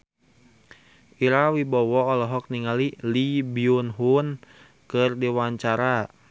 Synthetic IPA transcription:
ʔiɾawibɔwɔːlɔɦɔk̚niŋalilibiunɦun | kɨrdiwaɲt͡ʃaɾa

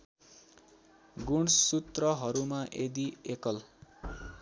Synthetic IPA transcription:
ɡunsːut̪rʌɦʌɾumaʔed̪iekʌl

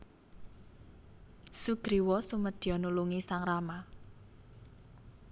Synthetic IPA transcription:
suɡ̥ɾiwɔsuməd̪̥jɔnuluŋisaŋrama

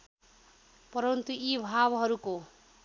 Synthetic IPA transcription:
pʌɾʌnt̪uibʱabɦʌɾuko

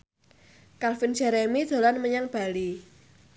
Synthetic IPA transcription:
kalfind͡ʒɛɾemid̥ʒ̥o̤lanməɲaŋb̥a̤li

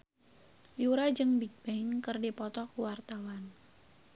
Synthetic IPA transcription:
juɾad͡ʒɨŋbik̚b̥ɛɪŋkərdipɔt̪ɔkuwart̪awan

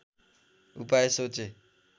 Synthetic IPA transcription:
upaesot͡ʃe

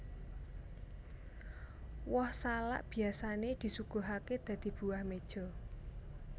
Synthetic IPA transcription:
wɔhsala̰ʔb̥i̤asaned̪̥i̤suɡ̥o̤ɦaked̪̥ä̤d̪̥i̤b̥ṳahmed̥ʒ̥ɔ̤

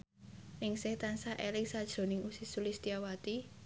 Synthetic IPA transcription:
nɪŋsɪht̪ansaʔelɪŋsad̥ʒ̥ɾo̤nɪŋusisulist̪iawat̪i

